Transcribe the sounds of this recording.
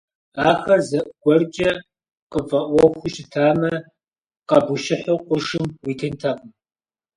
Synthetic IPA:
aːxɐrzɐʔɡʷɔrt͡ʃʲʼɐ | qʼəfʼɐʔʷɔxʷʊʃɪtʰaːmɐ | qɐbʊʃɪħowqʷʼʊʃɪmwiːtʰɐntʰaːqʷʼʊm

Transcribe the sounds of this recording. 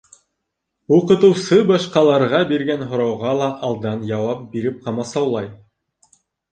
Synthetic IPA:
uqɤ̆t̪ɤ̆wsɤbɑʃqɑlˠɑɾʁɑbiɾɡænɦŏɾɑwʁɑlˠɑʔːlˠd̪ɑnjɑwɑp̚biɾɘp̚qɑmɑsɑwlˠɑj

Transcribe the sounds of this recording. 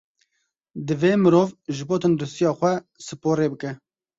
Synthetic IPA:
d̪ɨveːmɨɾoːvʒɨboːt̪ʰɨnd̪ɾɨst̪ijɑːxʷɛ | sɨpoːɾeːbɨkɛ

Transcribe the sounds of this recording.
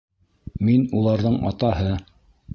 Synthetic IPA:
minulˠɑɾðɤɴɑ̰t̪ɑhɤ

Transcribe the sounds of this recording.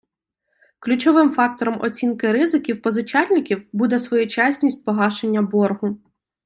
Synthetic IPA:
klʲut͡ʃɔʋɪmfɑk̚t̪ɔɾɔmɔ̰t͡sʲinkɪɾɪzɪkʲiwpɔzʊt͡ʃɑlʲnɪkʲiwbud̪ɛsʋɔjʊt͡ʃasʲnʲisʲt̚ʲpɔɦɑʃenʲːɐbɔrɦʊ

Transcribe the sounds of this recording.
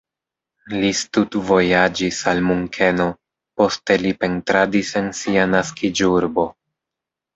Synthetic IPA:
listutvo̞jad͡ʒisalmuŋkʰe̞no̞ | po̞ste̞lipe̞ntɾadise̞nsianaskid͡ʒuɾbo̞

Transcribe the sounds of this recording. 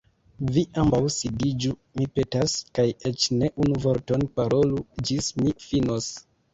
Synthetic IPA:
viʔambawsidid͡ʒumipe̞taskajet͡ʃne̞ʔunuvo̞ɾto̞npaɾo̞lud͡ʒismifinos

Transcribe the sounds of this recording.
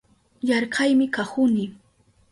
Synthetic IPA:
jɑɾɢʰɑjmɪkahʊnɪ

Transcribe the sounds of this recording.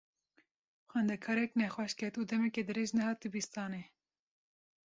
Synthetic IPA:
xʷɛnd̪ɛkʰɑːɾɛknɛxwɛʃkʰɛt̪uːd̪ɛmɛked̪ɨɾeːʒnɛhɑːt̪ibist̪ɑːne

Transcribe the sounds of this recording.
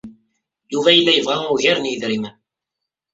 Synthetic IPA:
juvæjəlːæjəvʁæʊʝiɾnjəðɾimən

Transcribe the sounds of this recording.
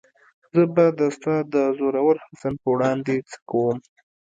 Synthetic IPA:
zəbad̪əst̪ɑd̪əzoɾawəɾhasanpəwɽɑnd̪et͡sə̥kawəm

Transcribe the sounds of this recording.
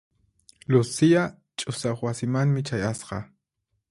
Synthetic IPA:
lʊsia | t͡ʃʼʊsaχwasɪmaŋmɪt͡ʃajasqɑ

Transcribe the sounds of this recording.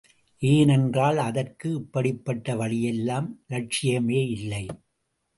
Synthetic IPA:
ʔeːnɛndraːlɐðɐrkɯɪpːɐɽɪpːɐʈːɐʋɐɭɪjɛlːaːmlɐʈ̚t͡ʃɪjɐmeːɪlːɐɪ

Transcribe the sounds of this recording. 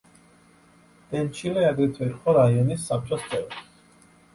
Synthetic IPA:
d̪̥ɛnt͡ʃʰilɛad̪ɾit̪ʰwɛɾχʰɔɾaiɔnisːap̚t͡ʃʼɔst̪sʼɛv

